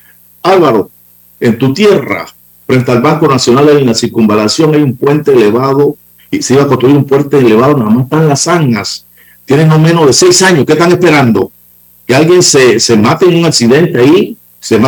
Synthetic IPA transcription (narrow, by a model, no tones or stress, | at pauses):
alβaɾo̞ | e̞nt̪ut̪je̞ra̰ | fɾe̞nt̪ealβaŋko̞nasjo̞nald̪elinasiɾkumbalasjo̞ŋajumpwe̞nt̪eːleβaðo | seiβakonst̪ɾuiɾumpwe̞nt̪eːle̞βaðo̞naðamase̥t̪ãlasaŋnas | t̪je̞nenomẽ̞no̞zðe̞sejsaɲoskest̪aŋe̞spe̞ɾand̪o̞̰ | kealɣje̞ŋsesemat̪eeŋuŋaksiðe̞nt̪eai | sema